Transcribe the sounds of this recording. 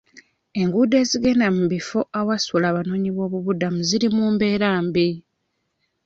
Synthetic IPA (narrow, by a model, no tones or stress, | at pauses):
e̞ŋɡuːde̞ːziɡe̞namuβifo̞ʔawasulaːβano̞ːɲiβo̞ːβuβudamuziɾimuːmbe̞ːɾaːmbi